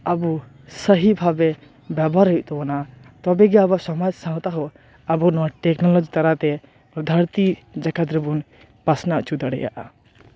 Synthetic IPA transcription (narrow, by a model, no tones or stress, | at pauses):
abu | səɦibʱabɛ | bjabaɾəjuʔt̪ɔbɔnat̪ɔbɛɡɛabasɔmad͡ʒsaɦɔ̃t̪aɦɔ | abunɔwaʈɛknɔlɔd͡ʒit̪aɾat̪ɛ | d̪ʱaɾt̪id͡ʒakad̪ɾəbun | pasnaʔt͡ʃʰud̪aɽɛ̰ja̰ʔa̰